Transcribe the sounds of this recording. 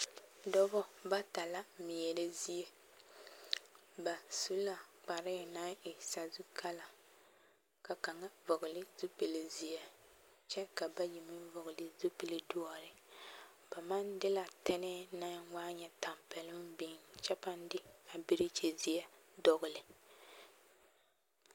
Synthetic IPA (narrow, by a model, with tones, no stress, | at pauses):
dɔ˦bɔ˦ba˦ta˨la˦mi˨jɛ˨le˦zi˦je˦ | ba˨su˦la˨k͡pa˨ɾɪ˦˨na˦ɪ˨sa˨zu˦kʰa˦la˨ | ka˨ka˨ŋa˦vʊ˨ɡʊ˨lɪ˦zu˦pe˨le˨zi˨jɛ˨ | t͡ʃɛ˦ka˨ba˦ji˨mi˦n˦vʊ˨ɣʊ˨lɪ˨zu˦pe˨le˨dʊ˦ɔ˦ɾɪ˨ | ba˨ma˦ndɪ˦la˨tɛ˦nɛ˦na˦waː˦ɲɛ˦ta˨mpɛ˨lɪ˦mbi˦nt͡ʃɛ˦pa˦n˦dɪ˦a˨bi˦ɾɪ˦t͡ʃe˨zi˦jɛ˦dɔ˦ɣʊ˨lɪ˨